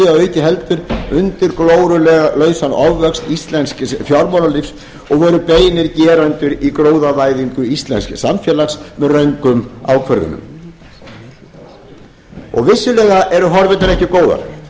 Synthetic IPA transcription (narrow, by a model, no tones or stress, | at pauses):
awœːɥcɪɦɛlt̪ʏɾʏnt̪ɪɾkloːwɾʏlɛːɣalœːɥsanɔvvɛkst̪ist̪lɛnskfjawɾmɔlalifs | ɔɣvɔːɾʏpeːjnɪɾcɛːɾant̪ʏɾikɾoːwðavaːjðiŋkʏist̪lɛ̰nsksamfjɛːlaksmɛðrœɥŋkʏmawkʰvœɾðʏ̰nʏ̰m | ɔ̰ɣvɪsːʏlɛːɣaʔɛɾʏɦɔɾvɪnt̪aɾɛhcɪkoːwða̰ɾ